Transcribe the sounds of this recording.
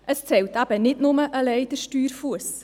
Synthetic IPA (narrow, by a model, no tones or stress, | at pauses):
ʔəst͡sɛltæb̥ənɪtnʊməʔəlɛɪd̥əɾʃtyːɾfuəs